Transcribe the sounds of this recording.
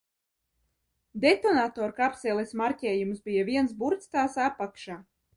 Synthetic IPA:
d̪et̪ɔnat̪ɔːɾkapsɛlˠesmaɾcʲɛːjumsbijaviɛns̬buɾt̪st̪aːsapːakʃaː

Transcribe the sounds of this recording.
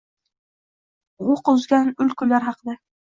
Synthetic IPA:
ʁoqʊzɡʲanʊlkʰʊlaɾɦɑqɨd̪a

